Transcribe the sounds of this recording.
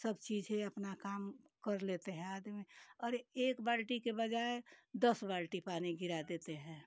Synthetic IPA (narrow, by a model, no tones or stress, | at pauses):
səbt͡ʃiːd͡ʒɦẽɐpnakaːm | kəɾleːt̪eɦɛ̃aːd̪mẽɔːɾeːkbaːlʈikebəd͡ʒaːed̪əsbaːlʈipaːniɡɪɾad̪eːt̪eɦɛ̃ː